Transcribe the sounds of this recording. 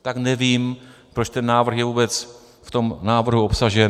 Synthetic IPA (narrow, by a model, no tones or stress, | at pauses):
t̪aknɛviːmpɾot͡ʃt̪ɛnːaːvr̩xjɛvuːbɛt͡s | ft̪o̞mnaːvr̩ɦuopsaʒɛ